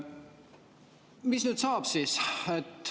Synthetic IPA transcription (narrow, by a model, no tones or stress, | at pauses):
misnyːd̪̥sɑːb̥siːset̪